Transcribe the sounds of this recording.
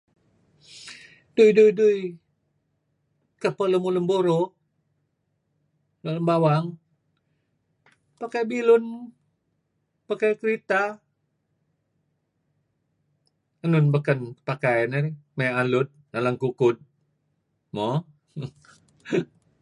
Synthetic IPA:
d̥ujdujduj | kəpələmuləmboɾo | loləmbawaŋ | pakajbilʊn | pakajkəɾit̪a | ənʊnbəkənkəpakajənaɾimajalʊt̪̚nalaŋkukʊd̪̚ | mɔ

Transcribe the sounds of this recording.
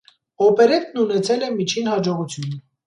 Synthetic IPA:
ɔpɛɾɛt̪nunɛt͡sʰɛlɛmit͡ʃʰinhɑd͡ʒɔʁut͡sʰjun

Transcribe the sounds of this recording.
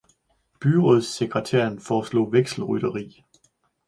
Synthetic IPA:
b̥yʁɔð̰ˠseɡʰʁət͡sʰeɐ̰nfɒːslɔ̰̽ːʋeɡ̥sl̩ʁyɾ̥ɐʁḭː

